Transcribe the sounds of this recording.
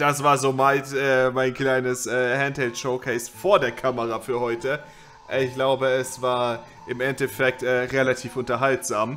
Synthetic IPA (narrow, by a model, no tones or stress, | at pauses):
d̥asv̥aːɐzoːmaɪtʔɛːmaɪnkl̥aɪnəsʔɛːhɛnthɛltʃoʊkʰɛɪsfoːɐdeːɐkʰaməʁafyːɐhɔʏtə | ʔɪçɡ̥laʊbəɛsv̥aːɐ | ʔɪmʔɛntɛfɛk̚tʔɛːʁelatʰiːfʔʊntɐɦaltz̥aːm